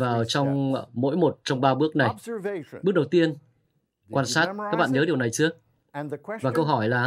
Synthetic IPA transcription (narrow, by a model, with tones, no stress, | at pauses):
aː˨˩wt͡ɕɔ˧wŋ͡mmo̰˧˥jmo˨˩t̚t͡ɕɔ˧wŋ͡mɓaː˧ɓɨ˦˥ək̚na˨˩jɓəɗə˨˩wt̪i˧ən | kwaː˧nsaː˦˥t̚kaː˦˥k̚ɓa̰ː˧˨nɲəː˨˦ɗi˨˩əwna˨˩jt͡ɕɨ˨˦ə | vaː˨˩kə˧wɦɔ˧˩jlaː˨˩